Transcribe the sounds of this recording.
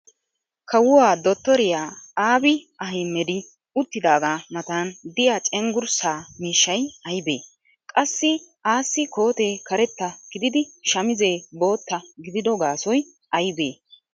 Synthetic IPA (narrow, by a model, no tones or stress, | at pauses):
kʰɐwʊwaːd̪ɔt̪ːɔɾɪjaːaːbɪ | ɐɦɪmːɛd̪ɪ | ʊt̪ːɪd̪aːɡaːmɐt̪ɐnd̪ɪjaːt͡ʃʼɛŋɡʊɾsaːmiːʃːɐjɐjbeː | kʼɐsːɪʔaːsːɪko̞ːt̪e̞ːkɐɾɛt̪ːɐɡ̥ɪd̪ɪd̪ɪʃɐmɪze̞ːbo̞ːt̪ːɐɡɪd̪ɪd̪ɔɡaːsɔj | ʔɐjbe̞ː